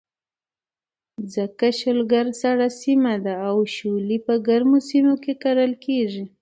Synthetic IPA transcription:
d͡zakaʃəlɡaɾsaɽasimad̪aːwʃulipəɡaɾmosimokekaɾəlkeʐi

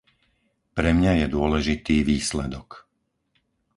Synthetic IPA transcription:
pɾɛmɲajɛd̪ʊɔlɛʒit̪iːʋiːslɛd̪ɔk

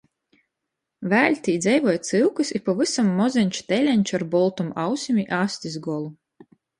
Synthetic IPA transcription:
væːlʲt̪ʲiːd̪zʲɛjvɔjt̪sɨlˠkɨsipɔvɨsamːɔzʲɛnʲt͡ʃu̥t̪ɛlʲɛnʲt͡ʃaɾbɔlˠt̪uma̰wsʲimʲiʔasʲt̪ʲizɡɔlˠu

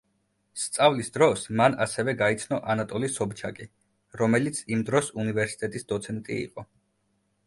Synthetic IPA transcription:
st̪sʼavlisd̪ɾɔsmanasɛvɛɡait̪sʰnɔʔanat̪ʼɔlisɔbt͡ʃʰakʼi | ɾɔmɛlit̪sʰimd̪ɾɔsunivɛɾsi̥t̪ʼɛt̪ʼisd̪ɔt̪sʰɛnt̪ʼḭḭqʼɔ

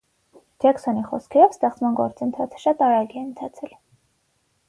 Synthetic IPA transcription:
d͡ʒɛksɔniχɔskʰɛɾɔvst̪ɛχt͡smɑnɡɔɾt͡sənt̪ʰɑt͡sʰə̥ʃɑt̪ɑɾɑɡiɛnt̪ʰɑt͡sʰɛl

